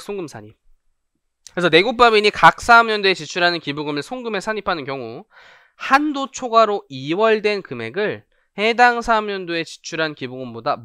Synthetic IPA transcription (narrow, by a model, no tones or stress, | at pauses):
s͈ʰoŋɡɯmsʰaɲip̚ | ɾesʰʌne̞ɡok̚p͈amiɲikak̚s͈amjʌndoe̞t͡ɕit͡ɕʰuɾɦanɯnkibuɡɯmɯɭsʰoŋɡɯme̞sʰaɲipʰanɯnkjʌŋu | handot͡ɕʰoɡaɾoiwʌɭdwe̞nkɯme̞̰ɡɯɭ | he̞daŋsʰamjʌndoe̞t͡ɕi̥t͡ɕʰuɾɦankiboɡɯmbodam